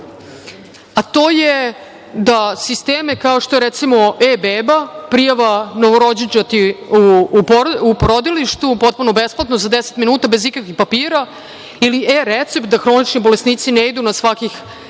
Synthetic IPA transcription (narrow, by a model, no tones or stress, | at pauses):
at̪o̞ːje | d̪asist̪eːmekaoʃt̪oeɾet̪simo̞ebeːbapɾijaʋanoʋoɾo̞d͡ʑit͡ʃat̪iuːpoɾupɾod̪iliʃt̪upo̞t̪̚puno̞besplˠat̪nozad̪ese̥t̪minuːt̪abe̞zikakʋixpapiːɾa | iliʔeɾet̪sept̪̚d̪axɾo̞nit͡ʃnibo̞lesniːt̪sineid̪unasʋakix